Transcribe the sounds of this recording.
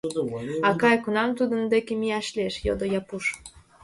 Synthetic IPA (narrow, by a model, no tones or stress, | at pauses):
ɑkɑjkunɑmt̪ud̪ənd̪ekemijæʃleʃjo̰d̪ojɑpuʃ